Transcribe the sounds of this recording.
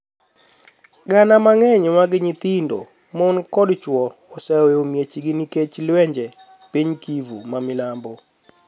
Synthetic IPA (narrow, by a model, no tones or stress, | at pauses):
ɡanamaŋɛɲwaɡɪɲɪt̪indo̰ | mɔnkɔdt͡ʃwɔ | ɔsɛwɛomjet͡ʃiɡiniket͡ʃlwɛɲd͡ʒɛ | piɲkivṵmamɪlambo